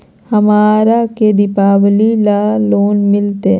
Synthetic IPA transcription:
hɐmaːɾaked̪ɪpaːwlilaloːnmɪlt̪e

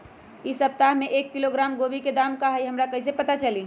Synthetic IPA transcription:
isəp̚t̪aɦmeʔekːiloɡɾamɡobiked̪amkaɦəiɦəmɾakəɦisepət̪at͡ʃəli

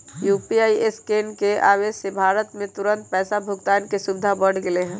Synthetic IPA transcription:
juːpiaːieskeːnkea̰ːweːʃsebʱaːɾət̪mẽt̪ʊɾə̃nt̪̚pɛːsabʱʊɡt̪aːnkesʊbɪd̪ʱabəɽ̤ɡeleɦɛ̃ː

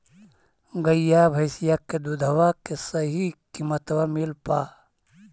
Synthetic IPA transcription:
ɡəjːaːbʱɐjsijaked̪ud̪ʱəʋakesɐɦikimət̪wamilpaː

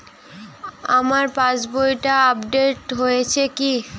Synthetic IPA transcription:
amaɾpãt͡ɕbojʈaabɖeʈɦojet͡ɕʰeki

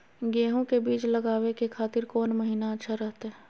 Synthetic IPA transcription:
ɡeːɦõkebiːt͡ʃlɐɡaːwekekʰaːt̪ɪɾkɔːnmɐɦiːnaɐtːʃʰaɾɐɦt̪aɦɛ

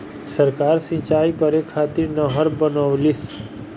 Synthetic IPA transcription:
səɾkaːɾsĩt͡ʃaːikəɾekʰaːt̪ɪɾnɔɦəɾbənɔʋlis

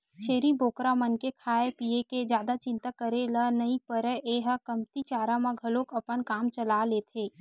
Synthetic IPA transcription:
t͡ʃʰeːɾiboːkɾamənkekʰaːepieked͡ʒjaːd̪at͡ʃɪ̃nt̪akəɾelənəipəɾəʔeːɦəkəmt̪it͡ʃaːɾãmãɡʱəlokəpənkaːmt͡ʃəlaleːt̪ʰeː

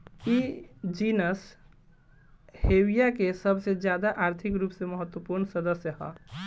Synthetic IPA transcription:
id͡ʒinəs | hewijakesəbʱsed͡ʒjad̪aʔaɾt̪ʰikɾuːpseməɦət̪wəpuɾnɳsəd̪əsjəɦɔ̰

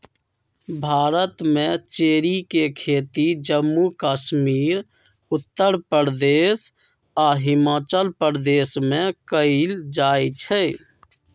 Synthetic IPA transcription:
bʱaːɾət̪mẽt͡ʃeːɾikekʰeːt̪id͡ʒəmːukaːʃmiːɾ | ʊt̪ːəɾpəɾd̪eːs | aɦɪmaːt͡ʃəlpəɾd̪eːsmẽkəɪld͡ʒajt͡ʃʰɛ

